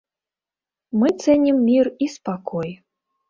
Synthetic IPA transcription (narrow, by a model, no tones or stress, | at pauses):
mɨt̪sɛnʲimːʲirispakʰɔj